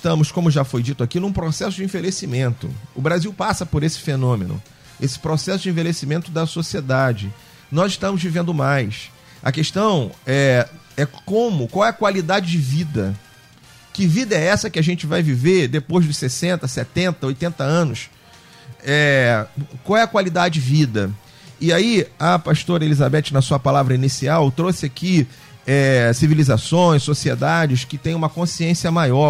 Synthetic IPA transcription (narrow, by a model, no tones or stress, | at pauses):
ɪʃt̪ɐ̃mʊskõmʊʒafojd͡ʒit̪ʊakinũpɾosɛsʊd͡ʒɪẽvelesimẽnt̪ʊ̰ʊbɾaziwpasɐpoɾesɪ̥fenõmḛnʊ̰ | esɪ̥pɾosɛsʊd͡ʒɪẽvelesimẽnt̪ʊd̪ɐsosied̪ad͡ʒɪ | nɔzɪʃt̪ɐ̃mʊzvivẽnd̪ʊmajs | ɐ̰keʃt̪ɐ̃w̃ɛ | ɛkõmʊkwawɛɐkwalid̪ad͡ʒɪd͡ʒɪvid̪ɐ | kɪvid̪ɐɛɛsɐkɪaʒẽnt͡ʃɪvajvived̪epojzd̪ʊʃsesẽnt̪ɐsɛt̪ẽnt̪ɐojt̪ẽnt̪ɐɐ̃nʊs | ɛ | kwawɛɐkwalid̪ad͡ʒɪd͡ʒɪvid̪ɐ | ɪaiɐpaʃt̪oɾɐelizabɛt͡ʃɪnɐsuɐpalavɾɐinisiawt̪ɾosɪaki | ɛsivilizasõj̃ssosied̪ad͡ʒɪskɪt̪ẽj̃ũmɐkõsiẽsiɐmajɔ